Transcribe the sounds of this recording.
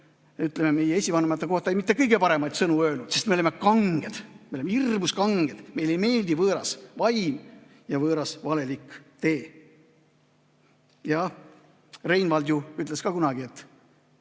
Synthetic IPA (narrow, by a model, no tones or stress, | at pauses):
yt̪ːˑlememe̞jːeesʲivɑnemɑt̪ːeko̞ht̪ɑejmit̪ːˑe̞kɤjɡe̞pɑɾe̞mɑjt̪sɤnuøːlnut̪se̞st̪meoleme̞kɑŋɡ̥e̞d̪̥meoemeirmuskɑŋɡ̥e̞d̥̪me̞jle̞jme̞ːld̪̥ivɤːɾɑ̰svɑjm | jɑvɤːɾɑsvɑle̞likːˑt̪e̞ː | jɑ | re̞jnvɑld̪̥juyt̪ːˑleskɑkunɑɡ̥ie̞t̪ːˑ